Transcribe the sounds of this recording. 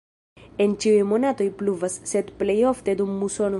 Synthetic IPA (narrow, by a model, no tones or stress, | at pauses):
ent͡ʃiwemonat̪ojpluvasːet̪plejoft̪ed̪umːusono